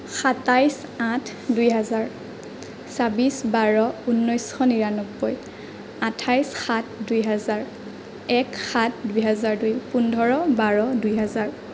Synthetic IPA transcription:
xatajs | ãtʰ | dujɦazaɹ | sabisbaɹɔunːɔjsxɔniɹanɔbːɔj | atʰajsxatʰdujɦɛzaɹ | ɛkxatʰdujɦɛzaɹdujpundʱɔɹɔbaɹɔdujɦɛzaɹ

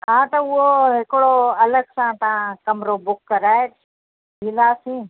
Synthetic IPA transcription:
ɦãːt̪ɐʊɦoɦɪkɽoɐləɡsãːt̪ɐãkɐmɾoːbʊkːəɾaːe | ɦiːlaːsĩː

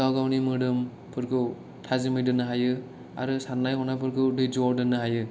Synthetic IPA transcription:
awɡawnimɯdɯm | pʰɯɾkʰɯw | tʰazimɯjdɯnːɯɦajɯ | a̰ɾɯsanːajɦɔnapʰɯɾkʰɯwdɯjd͡ʒuɔdɯnɯɦajɯ

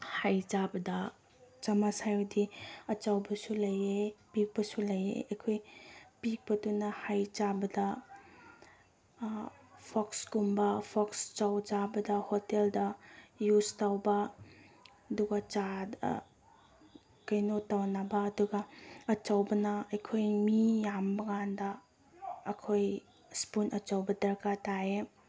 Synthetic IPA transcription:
hajd͡ʒabɐdɐ | t͡ʃamasajowdiɐt͡ʃawbɐsulɐjepik̚pɐsulɐjḛɐkʰojpik̚pɐdunːɐhajt͡ʃabɐdɐ | pʰɔksɡumbɐpʰɔkst͡ʃawd͡ʒabɐdɐhoteldɐjustawbɐ | ɐduɡɐt͡ʃad̰ | kajnotawnabɐːduɡɐːt͡ʃawbɐnɐɐjkʰojmijambɐŋandɐː | kʰoj | spunɐt͡ʃawbɐdɐɾkatae

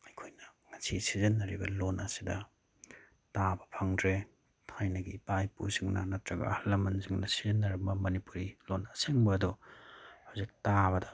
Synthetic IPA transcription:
ɐjkʰojnɐŋɐsisizɐnːɐɾibɐlonʔɐsidɐ | tabɐpʰaŋdɾe | tʰajnɐɡipajpṵɾsiŋnɐ̰nɐtɾɐɡɐ̰hɐlːɐmɐnsiŋnɐsizɐnːɐɾɐmbɐmɐnipuɾilonɐseŋbɐːdɔ | hawzik̚taβɐdɐ

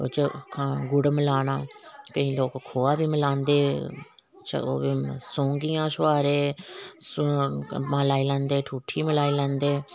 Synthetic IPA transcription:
o̰ːt͡ʃəkʰaɡʊɽməlaːnaːkəĩːloːkkʰoːaːbiːməlãːnd̪eː | t͡ʃo̰ːiːsõːŋɡiːãːsʊʋaːɾeːs | mãːlaːiːlɛ̃ːnd̪eːʈʰuːʈʰiːməlaːiːlɛ̃ːnd̪eː

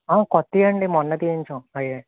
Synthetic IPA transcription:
aːkɔt̪ːijɐɳɖimɔnːɐt̪iiɲt͡ʃõɐje

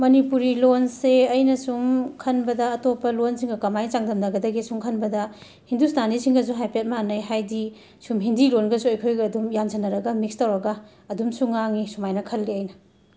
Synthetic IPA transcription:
mɐnipuɾilonseɐjnɐsumkʰɐnbɐdɐːtopɐlonsiŋɡɐkɐmajt͡ʃaŋdɐmdɐɡɐdɐɡisuŋkʰɐnbɐdɐ | hindusnanisiŋɡɐzuɦajpiat̚manɐjɦajdi | sumɦindilonɡɐsuɐjkʰojɡɐːdumjansʰɐnɐɾɐɡɐmik̚stɐwɾɐɡɐː | dumsuŋaŋisumajnɐkʰɐlːiɐjnɐ

